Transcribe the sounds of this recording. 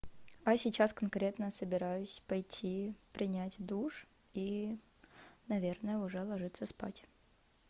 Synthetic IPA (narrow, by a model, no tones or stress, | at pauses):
ɐsʲɪt͡ɕaskɐnkɾʲe̞t̪nəsəbʲɪɾajʊsʲpɐjtʲʰːipɾʲɪnʲætʲd̪uʂ | i | nɐvʲe̞rnəjəʊʐɛlˠɐʐɨt̪sːəspa̰tʲ